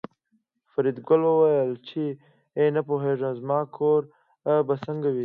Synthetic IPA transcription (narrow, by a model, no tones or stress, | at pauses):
faɾid̪ɡʊlwəwajəlt͡ʃʰe | enapoɦeʐãzmɑːkʰoɾ | basəŋɡawi